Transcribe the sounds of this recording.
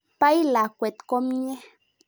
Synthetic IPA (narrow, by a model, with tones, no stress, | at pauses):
pa˦jla˨kʷe˨t̪ko˦mɲe˦